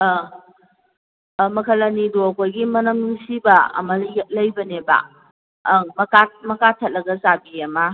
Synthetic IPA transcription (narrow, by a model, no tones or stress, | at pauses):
mɐkʰɐlɐnidoɐkojɡimɐnɐmŋsibɐɐ̰mɐlj̚lɐjbɐnebɐ̰ | mɐkamɐkatʰɐt̚lɐɡɐzabiɐmɐ